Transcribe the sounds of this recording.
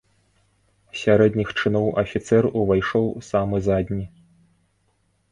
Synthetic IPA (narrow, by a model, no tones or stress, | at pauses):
sʲaɾɛd̪ʲnʲixt͡ʂɨnɔwʔɐfʲit̪sɛruvajʂɔwsamɨzad̪ʲnʲi